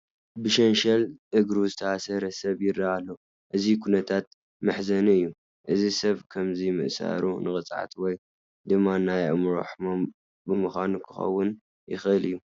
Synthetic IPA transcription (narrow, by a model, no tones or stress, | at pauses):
bɨʃɐnʃɐlʔɨɡɾuzɨt̪ʰɐasɐɾɐsɐβjɪrːaalːɐ | ʔɨzikʰunɐt̪ʰat̪̚ | mɨħzɐnɨjːu | ʔɨzisɐβkʰɐmzimɨ̰ʔsa̰ɾunɨxʼɨt͡sʼʕa̰t̪ʰwɔj | d̪ɨmːanajʔmɾo̰ħmom | bɨmɨxʷanukʰɨ̥xɐ̰wːʊn | jɪ̰xɨlɨjːu